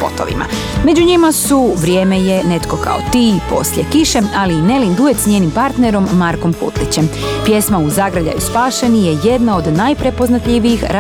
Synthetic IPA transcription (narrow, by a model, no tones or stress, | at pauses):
po̞̰t̪oʋḭma̰ | me̞d͡ʒuɲimasuʋɾje̞ːmeje̞ne̞t̪ko̞kʰa̰ot̪iːpo̞̰sljekiʃealiːne̞lind̪ue̞t̪sɲe̞ːnimpaɾt̪ne̞ɾo̞mːaɾko̞mkṵt̪lit͡ɕe̞m | pje̞smauzaɡɾaʎa̰juspaːʃe̞nije̞je̞d̪nao̞d̪najpɾe̞po̞znat̪ʎiʋijixɾa